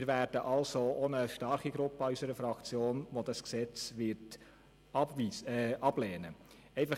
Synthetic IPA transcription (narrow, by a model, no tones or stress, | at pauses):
mɪɾvæːɾd̥əʔɑlsoonəʃtɑɾχiɡɾʊpːəɑysəɾəfɾɑkt͡sjoːnʋodɑsksɛt͡sʋɪɾt | iɑb̥lɛːnə | ɛɪfɑ